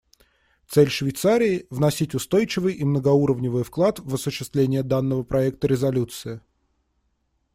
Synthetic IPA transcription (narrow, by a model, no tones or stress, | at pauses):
t̪sɛlʲʂvʲɪjt̪saɾʲɪɪvnɐsʲitʲʊst̪o̞jt͡ɕɪvɨjʔimnəɡɐuɾəvnʲɪvɨjfklˠat̪vɐsʊɕːɪst̪vlʲenʲɪjəd̪anːəvəpɾɐɛk̚t̪əɾʲɪzɐlʲut̪sɨɪ